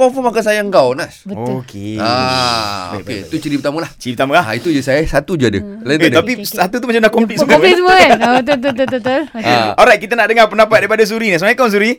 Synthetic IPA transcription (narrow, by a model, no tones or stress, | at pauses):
ɔfɔmakas̬ajaəŋkawnasbətkea | o̰kḛt̪ut͡ʃiɾipət̪aməlaht͡ʃiɾipət̪aməlaha̰it̪ud͡ʒusajasat̪ud͡ʒuadə̰laieapisat̪ut̪umat͡ʃamnaʔkɔmplit̪suməlisməbət̪̬t̪t̪ot̪ot̪olaɔɾajt̪̚kit̪anaʔdəŋarpənapat̪̚daɾipadas̬uɾinisəmakawns̬uɾi